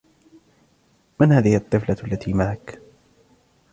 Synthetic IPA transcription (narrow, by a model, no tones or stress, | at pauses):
manhaːðɪhɪɑt̪ˤːɨflalːat̪ʰiːmaʕak